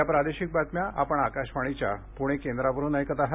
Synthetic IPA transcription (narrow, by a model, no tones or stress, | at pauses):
japɾad̪eɕik̚bat̪mjaʔapəɳakaɕʋaɽ̃it͡ɕjapuɽ̃ekend̪ɾaʋəɾuːnajkət̪aɦe